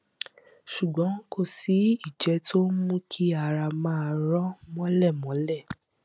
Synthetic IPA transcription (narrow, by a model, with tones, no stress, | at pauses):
ʃu˨ɡ͡bɔ̃˨˦ko˦˨si˨˦i˦˨d͡ʒɛ˨˦tʰo˦mũ˦kʰi˦a˦˨ɾa˧mãː˦˧ɾɔ˦mɔ̃˦lɛ˦˨mɔ̃˨˦lɛ˦˨